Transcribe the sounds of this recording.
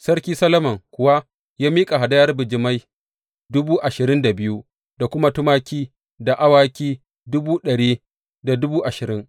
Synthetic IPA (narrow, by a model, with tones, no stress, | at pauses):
sɐ˦rkʲiː˦sɐ˦lɐ˦mɐ˨ŋkʷʊ˨wa˦ | jaː˦miː˦kʼa˨ɦa˨dɐ˦jɐ˦rbɪ˨d͡ʒɪ˦ma˦j | dʊ˦buː˦ʔa˨ʃɪ˨ɾɪ˦nda˨bɪ˦ju˦ | da˨kʷʊ˦ma˦tʊ˦maː˦kʲiː˦ | da˨ʔa˦waː˦kʲiː˦ | dʊ˦buː˦ɗɐ˨ɽiː˦ | da˨dʊ˦buː˦ʔa˨ʃɪ˨ɾɪ˦ŋ